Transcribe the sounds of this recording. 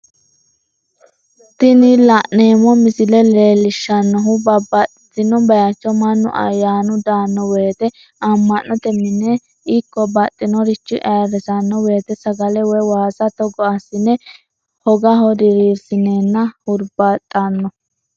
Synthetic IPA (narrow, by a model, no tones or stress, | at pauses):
t̪ɪnɪlɐʔneːmɔmɪsɪlɛleːlɪʃːɐnːɔɦʊbɐbɐt̪ʼːɪt̪ːɪnɔbɐjat͡ʃːɔmɐnːʊ̰ʔɐ̰jːaːnʊd̪aːnːɔwe̞ːt̪ɛ | ɐmːɐnʔɔt̪ɛmːɪnɛ | ɪkːɔbɐt̪ʼːɪnɔɾɪt͡ʃːɪʔɐːɾɛsɐnːɔweːt̪ɛsɐɡɐlɛwɔjwaːsɐt̪ɔɡɔɐsɪnɛ | hɔɡɐɦɔdɪɾiɾsɪneːnːɐhʊɾbɐt̪ʼːɐnːɔ